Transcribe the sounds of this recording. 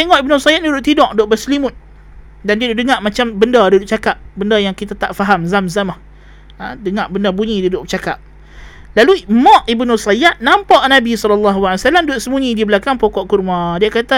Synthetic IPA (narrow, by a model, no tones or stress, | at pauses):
t̪eŋɔʔibnusajat̪̚dudʊʔt̪idɔʔdoʔbəslimʊt̪̚ | dandiaduʔdəŋaʔmat͡ʃambəndədudʊʔt͡ʃakap̚bəndəjaŋkit̪at̪a̰ʔfaɦamzamzamah | adəŋaʔbəndəbuɲĩdudʊʔt͡ʃaka̰p̚ | lalumɔ̃ʔibnusajaʔ̪̚nampɔʔnabisɔlɔlːaɦuwaiwasalamduʊʔ̪̚səmuɲĩdibəlakaŋpɔkɔʔkurmãdiakat̪a